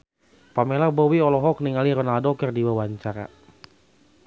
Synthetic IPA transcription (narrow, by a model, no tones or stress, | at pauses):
pamelabɔwiɔlɔɦɔk̚niŋaliɾɔnaldɔkərdiwawaɲt͡ʃaɾa̰